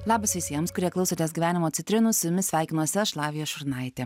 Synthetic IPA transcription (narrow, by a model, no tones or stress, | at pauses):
lˠɑːbɐsʋʲɪsʲiɛmskʊɾʲiɛklˠɐʊsʲoːt̪ʲeːsɡʲiʋʲæːnʲɪmoːt̪sʲɪt̪ʲɾʲɪnʊssʊjʊmʲɪsʲʋʲæˑɪkʲɪnuɔsʲɛʃlˠɑːʋʲɪjoːsʃʊɾnɐˑɪt̪ʲeː